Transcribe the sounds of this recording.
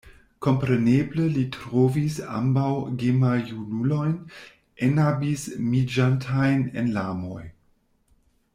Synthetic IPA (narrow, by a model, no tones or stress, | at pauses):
ko̞mpɾenebləlitɾovisa̰mbawɡemajunulo̞jn | enabismid͡ʒantʰajnḛnlamo̞̰j